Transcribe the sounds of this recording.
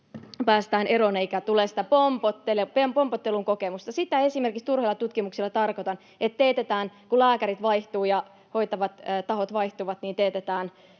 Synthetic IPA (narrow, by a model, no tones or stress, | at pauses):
pæːst̪æːneɾoneikæt̪uleːsi̥t̪æpompot̪ːelepempompot̪ːeluŋkokemust̪ɑsit̪æe̞simerkikst̪urheilːˑɑt̪ut̪kimuksilːɑt̪ɑrkot̪ɑn | et̪t̪eːt̪et̪æːnkulæːkæɾit̪ʋɑiht̪uːjɑ | ho̞it̪ɑʋɑt̪ːt̪ɑhot̪ʋɑiht̪uʋɑt̪niːnt̪eːt̪et̪æːn